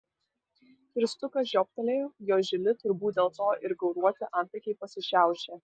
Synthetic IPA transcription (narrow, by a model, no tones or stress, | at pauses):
kɾʲɪst̪ʊkɐsʒʲɔːp̚t̪ʲɐlʲeːjoːʒʲɪlʲɪt̪ʊɾbuːt̪̚ʲd̪ʲeːlˠt̪oːʔɪɾɡɐʊɾuɔt̪ʲɪʔɐnʲt̪p̪ʲɐɪkʲeɪpɐsʲɪʃʲæˑʊʃʲe